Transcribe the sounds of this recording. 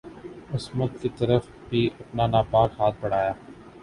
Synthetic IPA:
ʊsmʊt̪̚kit̪ɐɾəf | bʱiɐpnanaːbaːkɦaːt̪̚ʰbɐɽ̤aːjaː

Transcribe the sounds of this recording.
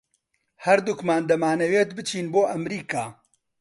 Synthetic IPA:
hɐɾd̪ukmaːnd̪ɐmaːnɐweːt̪bɨt͡ʃʰiːnboːʔɐmɾiːkaː

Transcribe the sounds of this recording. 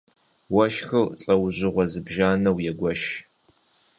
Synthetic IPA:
wɐʃxɨrɬʼɐwʑɪʁʷɔzɨbʒaːnɐwjɛɡʷɔʃ

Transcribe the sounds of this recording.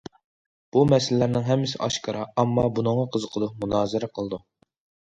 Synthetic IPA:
b̥umɛsɪlːæɾnɪŋɦɛmːɪsɪ̰ʔɑʃkʰɑɾɑɑmːɑbunɨŋːɑqʰəzəqʰəd̪ˠʊq̚munɑːzɨɾɛqʰəlˠɨd̪u

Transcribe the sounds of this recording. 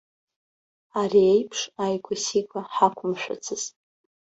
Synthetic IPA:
ariejpʰʂajɡʷʰʼʊsikʷaħakʷʰʊmʃᶣa̰t͡sʰɨz̥

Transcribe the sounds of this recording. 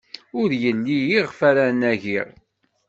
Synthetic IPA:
ʊɾjənlijiʁfæɾænæʝiʁ

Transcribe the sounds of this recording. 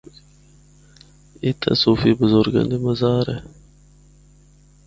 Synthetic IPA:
it̪ʰa̰suːfibəzoɾɡɐ̰nd̪iməzɑːɾḛ

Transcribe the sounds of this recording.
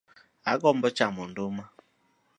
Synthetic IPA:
aɡɔm̩bɔt͡ʃamɔn̩doma

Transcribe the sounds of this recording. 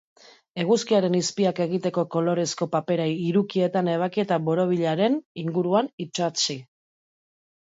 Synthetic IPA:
e̞ɣ̞uskiaɾe̞nispiake̞ɣ̞it̪e̞ko̞ko̞lo̞ɾe̞sko̞pape̞ɾaiɾukie̞t̪ane̞β̞akie̞t̪aβo̞ɾo̞β̞iʎaɾe̞niŋɡuɾuanit͡ʃat͡si

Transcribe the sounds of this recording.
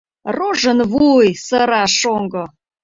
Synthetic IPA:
roʒənβujsəɾɑʃoŋɡo

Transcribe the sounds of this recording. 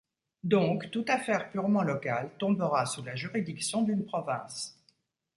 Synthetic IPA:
d̪ɔ̃kt̪ut̪afɛʁpyʁmɑ̃lɔkalt̪ɔ̃bəʁasulaʒyʁid̪iksjɔ̃d̪ynpχɔvɛ̃s

